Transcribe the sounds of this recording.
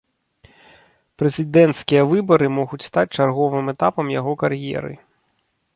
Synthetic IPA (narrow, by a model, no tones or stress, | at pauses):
pɾɛzʲid̪ɛnt̪skʲijɐvɨbɐɾɨmɔɣut͡sʲst̪at͡sʲt͡ʂarɣɔvɨmɛt̪apɐmjaɣɔkarjɛ̰ɾɨ̰